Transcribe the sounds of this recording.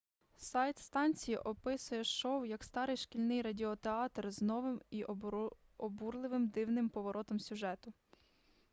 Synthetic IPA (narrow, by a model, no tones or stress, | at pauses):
sɑjt̪st̪ɑnʲt͡sʲijiʔɔpɪsʊjɛʃɔwjɐkst̪ɑɾɪjʃkʲilʲnɪjrɐdʲiɔt̪eɑt̪rznɔʋɪmiʔ | ɔburlˠɪʋɪmd̪ɪwnɪmpɔʋɔɾʔɔt̪ɔmsʲʊʒɛt̪ʊ